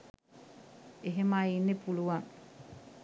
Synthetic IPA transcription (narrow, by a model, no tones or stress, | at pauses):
eɦemainːepuluʋaŋ